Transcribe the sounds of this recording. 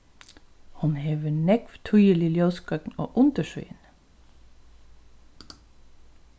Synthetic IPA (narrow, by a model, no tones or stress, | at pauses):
hʊnheːʋənɛkʋt̪ʰujəliljœːskœkn̩o̰ːʔʊnt̪əʃʉ̰ʏə̰n